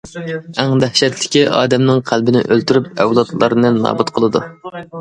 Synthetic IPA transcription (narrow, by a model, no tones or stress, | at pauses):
æŋd̪æhʃɛt̪lɪkʲiʔɑːd̪ɛmnɪŋqʰælbɪnɪ̰ʔølt̪yɾyp̚ɛwlˠɑt̪lˠɑɾnɨnːɑ̰ːbut̪qʰəlˠɨd̪u